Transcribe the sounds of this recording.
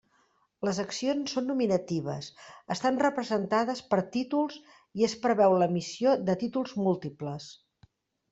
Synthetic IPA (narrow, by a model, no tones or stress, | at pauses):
ləzəksionsːonːuminət̪iβ̞ə̰səst̪anrəpɾəzənt̪aðəspəɾt̪it̪ulˠz | iəspɾəβɛwləmisioðət̪it̪ulˠzmulˠt̪ipləs